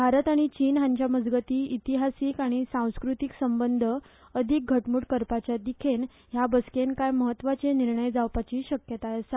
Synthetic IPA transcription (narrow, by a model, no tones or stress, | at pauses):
bʱaɾət̪aɽ̃it͡ɕiːnɦaɲt͡ɕjaməd͡zɡət̪iːit̪iɦasiːkaɽ̃isãw̃skɾut̪iksəmbənd̪ʱə | əd̪ʱik̚ɡʱəʈmuːʈkəɾpat͡ɕjad̪ikʰen | ɦjabəskenkajməɦət̪ːʋat͡seniɾɳəjd͡zawpat͡ɕiːɕəkjət̪ajəsa